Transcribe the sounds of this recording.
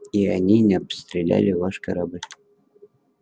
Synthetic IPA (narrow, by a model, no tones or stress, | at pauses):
iɐnʲinʲɪɐpst̪ɾʲɪlʲæ̰lʲɪvaʂkɐɾablʲ